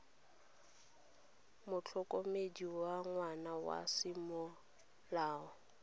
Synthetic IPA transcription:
mʊt͡ɬʰɔkʼomediwaŋwanawa̰simɔ | laːɔ

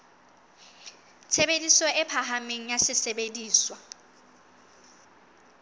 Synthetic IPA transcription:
t͡sʰebedisɔɪpʰaɦameŋ̩jasɪsebediːswa

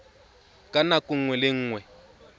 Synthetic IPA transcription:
kʼanakʼʊŋ̩ŋwɛlɪŋ̩ːŋwɛ

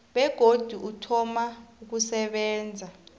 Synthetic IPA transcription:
ɓɛɡ̥ʱod̥ʱuʔutʰɔmauk̬usɛɓɛːnd͡zʱa

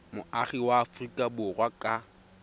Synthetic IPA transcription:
mʊaχiwaːfrikʼabʊrwakʼa

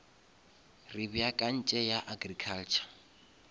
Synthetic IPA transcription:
rɪbijakʼan̩t͡ʃʼɛjaʔaɡrikʰalt͡ʃʰḁ

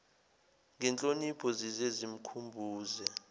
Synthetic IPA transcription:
ŋʱɛnt͡ɬʼonipʰɔzizezim̩kʰumbʱuːzɛ

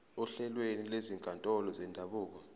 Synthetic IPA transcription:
ɔɬɛlwenileziŋkʼantʼɔlɔzɛndʱaɓuːk̬ɔ

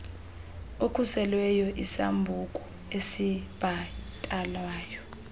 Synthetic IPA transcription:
okʰusɛlwɛjɔʔisa̰mbʱukʼu | esib̥ʱatʼalwaːjɔ

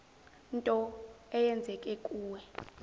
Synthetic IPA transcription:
ntʼɔɛjɛnd͡zʱɛkʼekʼuːwɛ

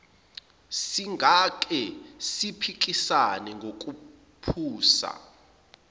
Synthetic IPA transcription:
siŋak̬ʼɛsipʰik̬ʼisanɛŋɡʱok̬ʼu | pʰuːsa̰

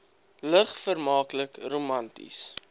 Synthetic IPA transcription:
ləχfərmɑːkləkromɐntḭs

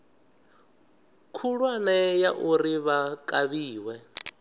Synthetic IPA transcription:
kʰuɺwanɛjaʔuriβakʼaβiːwɛ

